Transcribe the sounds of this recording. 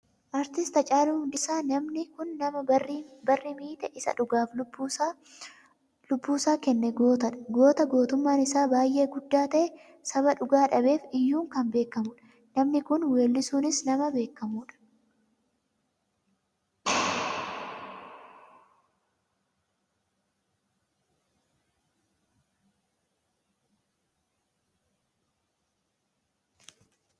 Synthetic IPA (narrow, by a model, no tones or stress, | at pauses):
ʔɐɾt̪ɪst̪ɐt͡ʃʼaːluːhʊnd̪ɪsaːnɐmnɪkʊnːɐmɐbɐrːɪmiːt̪ɛʔɪsɐ̰ᶑʊɡaːf | lʊbːuːsaːkɛnːɛɡoːt̪ɐᶑɐɡo̞ːt̪ɐɡo̞ːt̪ʊmːaːnɪsaːbaːjʔe̞ːɡʊd̪ːaːt̪ɐʔɛ | sɐβɐᶑʊɡaːᶑɐbe̞ːfɪjːuːŋkɐmbe̞ːkːɐmʊːᶑɐ̥ | nɐmnɪkʊnweːlːɪsuːnɪsnɐmɐbe̞ːkːɐmuːᶑɐ̥